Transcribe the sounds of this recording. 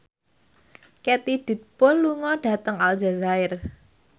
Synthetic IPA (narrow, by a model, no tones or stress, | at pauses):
kɛt̪id̥ṳt̪̚pɔlːuŋɔɖ̥ä̤t̪əŋald͡ʒazaɪr